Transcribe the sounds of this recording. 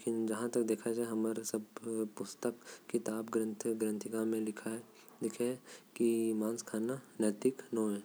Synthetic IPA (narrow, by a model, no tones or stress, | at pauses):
leeːkɪnd͡ʒɐɦãt̪ɐkd̪eːkʰad͡ʒaːeɦɐməɾsɐbpʊst̪əkkit̪aːbɡɾə̃nt̪ʰɡɾə̃nt̪ʰɪɡãmẽlɪkʰaɦɛ | lɪkʰekimãːnskʰaːnanət̪ɪknoːɦɛː